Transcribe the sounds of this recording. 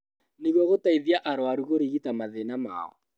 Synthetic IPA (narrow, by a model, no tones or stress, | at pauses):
neɣwɔɣotaiðjaʔaɾoaɾuɣoɾiɣitamaðenama̰ɔ̰